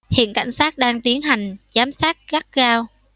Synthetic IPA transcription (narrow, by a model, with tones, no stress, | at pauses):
hḭ˧˨ənka̰˧˩jŋ̟saː˦˥t̚ɗaː˧ŋt̪i˨˦ənɦa˨˩jŋ̟zaː˨˦msaː˦˥t̚ɣa˦˥t̚ɣaː˧w